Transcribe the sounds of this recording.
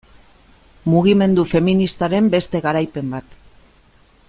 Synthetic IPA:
muɣ̞ime̞nd̪ufe̞minist̪aɾe̞mbe̞st̪e̞ɣaɾajpe̞mbat̪

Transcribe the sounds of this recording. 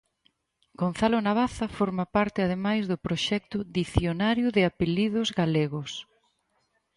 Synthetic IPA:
ɡ̥on̟θalʊnaβ̞aθɐfoɾmapaɾt̪ɪað̞emajzðʊpɾoʃɛk̚t̪ʊðiθjonaɾjʊðɪapelið̞ʊzɣaleɣʊs

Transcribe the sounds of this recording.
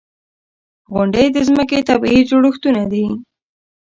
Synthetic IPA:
ɣʊɳɖəjd̪əzməket̪abid͡ʒoɽəxt̪unad̪i

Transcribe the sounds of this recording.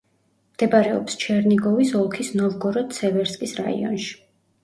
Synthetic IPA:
md̪̥ɛbaɾɛɔ̰pst͡ʃʰɛɾniɡɔvisɔlˠkʰisnɔvɡɔɾɔt̪sʰɛvɛɾskʼisɾa̰ḭɔ̰nʃi̥

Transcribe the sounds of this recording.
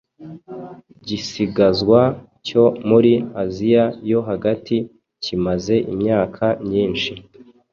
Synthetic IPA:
ɟisiɡazɡwa | co̞muɾiazijajo̞ɦaɡati | cimaze̞ʔimɲaːkʰamɲiːnʃi

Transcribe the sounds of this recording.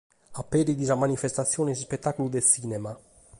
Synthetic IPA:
apːeɾid̪izamanifest̪at̪sːjoːnesspet̪ːakulud̪esinɛma

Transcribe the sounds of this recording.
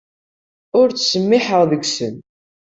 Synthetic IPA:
ʊɾt͡sːsəmːɪħəʁðəɡsən

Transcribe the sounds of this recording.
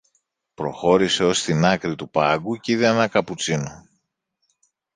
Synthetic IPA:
pɾo̞̰xo̞ɾise̞o̞st̪inɐkɾit̪upɐɡuciðeenɐkɐput͡sino

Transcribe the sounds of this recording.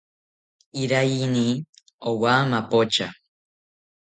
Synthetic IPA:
iɾajini | owamapot͡ʃa

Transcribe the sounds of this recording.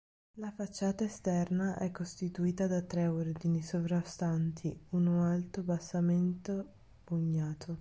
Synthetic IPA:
lafat͡ʃːaːt̪aest̪ɛrnaʔɛkːost̪it̪uiːt̪ad̪at̪ːɾɛord̪inisovɾast̪ant̪ʰiunoalt̪obasːament̪o | uɲːaːt̪ʰo

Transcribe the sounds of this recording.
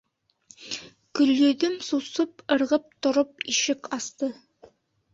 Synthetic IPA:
kɵ̆ljɵ̆ðɵmsusɤpɤ̆ɾʁɤp̚t̪ŏɾɤp̚iʃɘkɑst̪ɤ

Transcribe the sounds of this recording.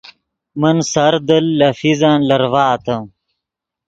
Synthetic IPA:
mənsɐɾd̪ɐlːɐfizaːnlɐɾvaːt̪ɐ

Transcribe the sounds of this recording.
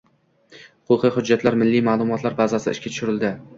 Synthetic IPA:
hʊqʰʊqʰɨjχʊd͡ʒːat̪ʰlaɾmɪlːijmaːlˠʊmɒt̪laɾbazasɪɪ̰ʃkʲat̪ʰʊ̥ʃʊɾɪld̪ɪ

